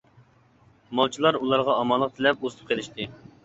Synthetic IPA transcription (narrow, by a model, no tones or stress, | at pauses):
mɑlˠt͡ʃʰilˠɑɾulˠɑɾʁɑːmɑnlˠːəq̚t̪ʰɪlɛpozɨt̪ʰɨ̥p̚qʰelɪʃt̪ɪ